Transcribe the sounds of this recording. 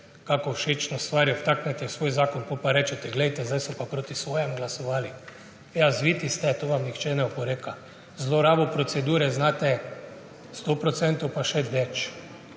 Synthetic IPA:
kakɔʃeːt͡ʃnɔst̪ʋaːɾjɔt̪aːknɛt̪ɛsʋoːjzaːkɔnkopaɾɛːt͡ʃɛt̪ɛɡlɛjt̪ɛzd̪ajsɔpapɾoːt̪isʋoːjɛmɡlasɔʋaːli | jazʋiːt̪ist̪ɛt̪oːʋamnixt͡ʃɛnɛɔpɔɾeːka | zloɾaːbɔpɾot̪sɛd̪uːɾɛznaːt̪ɛ | st̪opɾot̪sɛnt̪owpaʃɛd̪ʋɛt͡ʃ

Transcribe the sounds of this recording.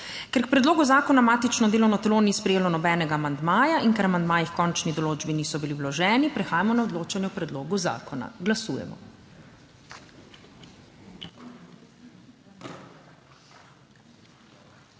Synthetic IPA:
kɛɾk̚pɾɛd̪loːɡuzaːkɔnamaːt̪it͡ʃnɔd̪eːlɔnɔt̪lonispɾɛjeːlɔnɔbɛːnɛɡaːmand̪maːjaʔiŋkɛɾamand̪maːjixkɔnt͡ʃnid̪ɔloːd͡ʒbiniːsɔbiliwlɔʒɛːnipɾɛxaːjamɔnaɔd̪loːt͡ʃanjɛpɾɛd̪loːɡuza̰ːkɔna̰ɡlasuːjɛ̰mɔ̰

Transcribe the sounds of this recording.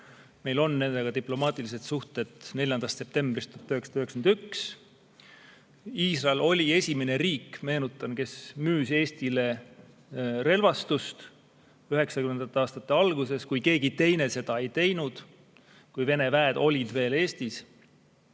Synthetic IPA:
me̞jlo̞nːe̞nd̪̥e̞ɡ̥ɑt̪iplo̞mɑːt̪ˑilis̬e̞t̪suht̪e̞d̪̥ne̞lʲjɑnd̪ɑst̪ːsep̚t̪e̞mb̥rist̪oɦɑt̪ːˑøheksɑd̪ɑyheksend̪yks | iːsrɑelʔo̞lʲie̞sʲime̞ne̞ɾiːkːme̞ːnut̪ːˑɑnke̞smyːse̞ːst̪ile̞ | re̞lvɑst̪ust̪ | yɦe̞ksɑkymend̪ɑt̪ːˑeɑːst̪ɑt̪ːˑe̞ɑlɡ̥use̞skujke̞ːɡit̪e̞jne̞se̞d̪̥ɑe̞jt̪e̞jnud̪̥ | kujve̞nevæːd̪̥o̞lʲid̪̥ve̞ːle̞ːst̪is

